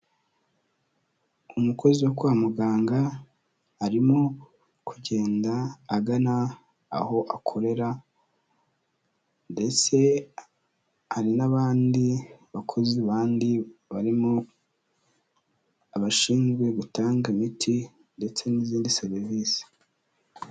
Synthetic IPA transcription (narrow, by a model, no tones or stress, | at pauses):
umukʰo̞ziwokwaːmuɡaːŋɡa | aɾimo | kʰuɟe̞ːndaːɡana̰ː | ho̞ʔakʰo̞ɾe̞ɾa | nde̞t͡se̞ | haɾinaβaːndiβakʰo̞ziβaːndiβaɾimo | aβaʃiːnzɡwe̞ɡutaːŋɡimitʰi | nde̞t͡se̞niziːndiseɾiviːsi̥